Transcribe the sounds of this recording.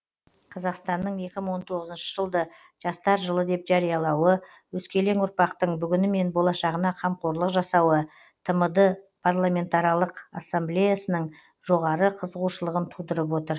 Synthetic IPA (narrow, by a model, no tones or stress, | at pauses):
qʰɑzɑqst̪ɑnːəɴje̞kʲɪməɴwo̞nt̪ʰo̞ʁəzənʃə̥ʒəlˠd̪ə | ʒ̥ɑst̪ɑɾʒəlˠəd̪e̞pʒɑɾijɑlˠɑwə | wɵskʲe̞le̞ŋʊɾpɑqt̪əɴbʏɡʲɪnɪme̞nbo̞lˠɑʃɑʁənɑqʰɑmqoɾlˠəqʒɑsɑwə | t̪ʰəməd̪ə | pʰarlˠamʲe̞nt̪ɑɾɑlˠəqa̰sːamblʲejasənəɴ | ʒ̥o̞ʁɑɾəqʰəzəʁuʃəlˠəʁənt̪ʰud̪əɾəp̬wo̞t̪əɾ